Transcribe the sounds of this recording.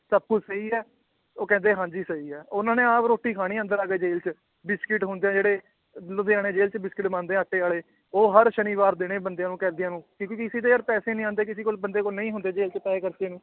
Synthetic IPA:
səb̚kʊd͡ʒsəiːɛː | oːkɛ̃ːnd̪eːɦãːd͡ʒiːsəiːɛːʊnãːnẽːaːpɾoːʈːiːkʰaːɽ̃iːə̃nd̪əɾaːɡeːd͡ʒeːlt͡ʃ | bɪskɪʈɦʊnd̪eːãːd͡ʒeːɽeː | lod̪eːaːɽ̃eːd͡ʒeːlt͡ʃbɪskɪʈmãːnd̪eːãːəʈːeːaːleː | oːɦəɾʃəniːʋaːɾd̪eːɽ̃eːbənd̪ejãːnũːkɛ̃ːnd̪ɪjãːnũːkikːkɪsiːt̪eːəɾpɛːseːnĩːãːnd̪eːk̬ɪsiːkolbənd̪eːkolnəĩːɦʊnd̪eːd͡ʒeːlt͡ʃpɛːkəɾt͡ʃeːnũː

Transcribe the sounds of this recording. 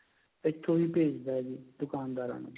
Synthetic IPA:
ɪt̪ʰːõːʋiːpeːd͡ʒd̪aɛd͡ʒiːd̪ʊkaːnd̪aːɾa̰ːnṵ̃ː

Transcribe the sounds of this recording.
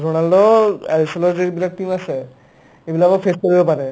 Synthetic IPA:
ɾoñalɖoɛlisolod͡ʑebilak̚ʈimaʃʰe | ebulaabafeskoɾibepaɾe

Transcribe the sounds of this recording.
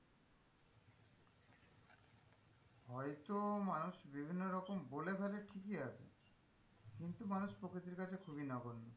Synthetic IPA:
hɔjt̪omanuʃbibʱinːoɾɔkombolebʱaleʈʰikiat͡ɕʰḛ | kint̪umanuʃpɾokɾit̪̬iɾkat͡ɕʰekʰubinaɡonːo

